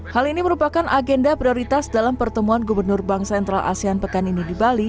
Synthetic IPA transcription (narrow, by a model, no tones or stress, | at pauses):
haliniməɾupakanʔaɡɛndapɾioɾit̪asdalampərt̪əmuanɡubərnʊrbaŋsɛnt̪ɾalʔa̰sianpəkaninidibali